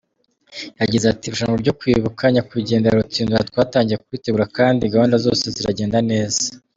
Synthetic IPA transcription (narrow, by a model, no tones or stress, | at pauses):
jaɟizeatiɾuʃaːŋɡobɟo̞kwiβukʰaɲakwiɟe̞ːndaɾut͡siːnduɾatwaːtaːɲɟijekuwiːte̞ɡuɾakaːndiɡaβaːndazo̞̰ːse̞ziɾaɟe̞ːndane̞ːzḁ